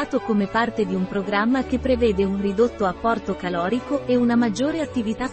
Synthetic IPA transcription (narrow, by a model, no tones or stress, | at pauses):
t̪okomepart̪ed̪iumpɾoɡɾamːak̟epːɾevɛːd̪eunrid̪ot̪ːoapːɔrt̪okalɔːɾikoeunamad͡ʒːoːɾeat̪ːivit̪a